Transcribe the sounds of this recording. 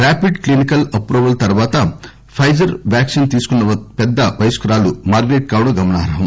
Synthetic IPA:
ɾaːpiɖklinikɐlɐpɾuːʋɐlt̪ɐɾʋaːt̪ɐ | pʰɐjd͡ʒɐɾʋjaːkʂint̪iːsu̥kunːɐpɛd̪ːɐʋɐjskɐɾaːlumaːɾɡeːʈ̚kaːʋwɽɐɡɐmɐnaːɦɾɐɦɐm

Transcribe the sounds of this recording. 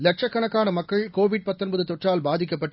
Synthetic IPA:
lɐʈ̚ʂɐkːɐɳɐkːaːnɐmɐkːɐɭkoːʋɪɽ̚pɐt̪ːɔnbɐðɯt̪ɔʈraːlbaːðɪk̬ːɐpːɐʈː

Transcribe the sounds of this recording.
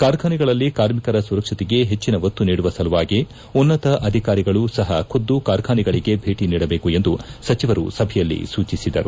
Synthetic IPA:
kaːɾkʰaːniɡɐɭɐlːikaːɾmikɐɾɐsuɾɐkʂɐt̪ɛɡe̞ɦet͡ʃːinɐʋɐt̪ːuniːɽuʋɐsɐluʋaːɡe | unːɐt̪ɐʔɐd̪ʱikaːɾiɡɐɭusɐɦɐkʰod̪ːukaːɾkʰaːniɡɐɭiɡe̞bʱe̞ːʈiniːɽɐbe̞ːkue̞nd̪usɐt͡ʃiʋɐɾṵsɐbʱɛjɐlːḭsuːt͡ʃisid̪ɐ̰ɾu

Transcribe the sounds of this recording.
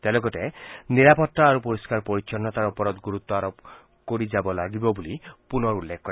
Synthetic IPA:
t̪elɔɡɔteniɾapɔt̪ːaaɾupɔɾiskaɾpɔɾit͡ʃɔnːɔt̪aɾɔpɔɾɔd̪ɡuɾut̪ːɔaɾɔp | koɾid͡ʒabɔlaɡibɔbulipunɔɾulːekʰɔkːɔɾe

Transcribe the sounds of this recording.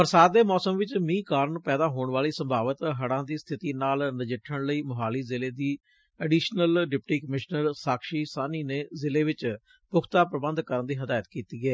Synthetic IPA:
pəɾsaːd̪eːmɔːsəmʋɪt͡ʃmĩːkaːɾɳpɛːd̪aːɦoːɳʋaːliːsəmbʱaːʋət̪ɦəɽãːd̪iːst̪ʰɪt̪iːnaːlnəd͡ʒɪʈʰəɳləiːmʊɦaːliːzɪleːd̪iː | ɛɖiːʃnəlɖɪpʈiːkəmɪʃnəɾsaːkʃiːsaːniːneːzɪleːʋɪt͡ʃ | pʊkʰt̪aːpɾəbənd̪kəɾənd̪iːɦəd̪aːjət̪kiːt̪iːɡɛː

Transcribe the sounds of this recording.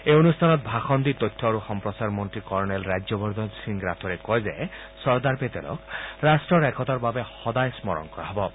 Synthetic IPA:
eonust̪ʰanɔt̪̚bʱaxɔnd̪it̪ɔt̪ʰːɔɾuxɔmpɾɔsaɾmɔnt̪ɾikɔɾnelɾad͡ʒɔbɔɾd̪ʱɔnsiŋɡɾat̪ʰɔɾekɔjze | sɔɾd̪aɾpet̪elɔ̰kɾasʈɾɔɾɛkʰɔt̪aɾbabehɔd̪ajsmɔɾɔ̰nkɔɾa̰ɦɔbɔ

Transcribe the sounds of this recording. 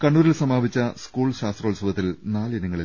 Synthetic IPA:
kɐɳːuːɾilsɐmaːbit͡ɕːɐskuːɭɕaːst̪rɐːlsɐʋɐt̪ːilnaːlenɐŋːɐɭil

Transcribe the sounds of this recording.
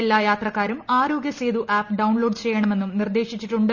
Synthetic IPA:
elːaːjaːt̪rɐkːaːɾumaːɾo̞ːɡjɐseːd̪uʔaːpɖɐwɳlo̞ːɖt͡ɕejːɐɳɐme̞nːumnird̪e̞ːʂit͡ɕːiʈːuɳɖɨ

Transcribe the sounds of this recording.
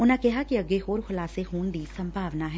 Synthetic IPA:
ʊnãkɛɦakiɐɡeɦoːɾxʊlaːseɦuːnd̪iːsɐ̃mbʱaːʋnaɦɛː

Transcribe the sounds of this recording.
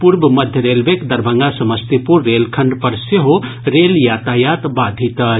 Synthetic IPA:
puɾbmɐd̪ʱjəɾelbekd̪ɐɾbʱəŋɡasɐməst̪ipuɾːelkʰɐɳɖpɐɾseɦo | ɾeljat̪ajat̪bad̪ʱit̪ɐ

